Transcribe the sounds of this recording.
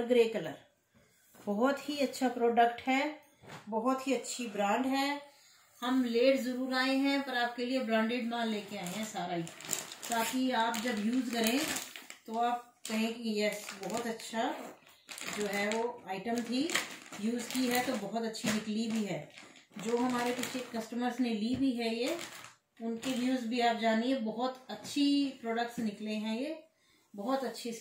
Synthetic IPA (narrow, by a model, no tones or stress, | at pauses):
ɾɡɾeːkɐləɾ | bɔɦʊt̪hiɐtːʃʰapɾɔːɖək̚ʈhɛː | bɐɦʊt̪ɦiɐtːʃʰibɾãːɳɖɦɛː | hɐmleːʈzɐɾuːɾaːeɦɛ̃pɐɾaːp̚keliebɾãːɳɖeːɖmãːleːkeaːeɦɛ̃saːɾaɦit̪aːkiaːpd͡ʒɐbjuːzkɐɾẽt̪oaːp̚ | kɐɦẽkijɛsbɔɦɔt̪ɐtːʃʰa | d͡ʒoːɦɛʋoaːɪʈəmt̪ʰijuːzkiɦɛt̪obɔɦʊt̪ɐtːʃʰinɪklibʱiɦɛːd͡ʒoːɦɐmaːɾepit͡ʃʰekɐsʈəməɾsnelibʱiɦɛje | ʊnkeʋjuːzbʱiaːp̚d͡ʒaːniebɔɦʊt̪ɐtːʃʰipɾɔːɖək̚ʈsnɪkleɦɛ̃jeː | bɔɦʊt̪ɐtːʃʰi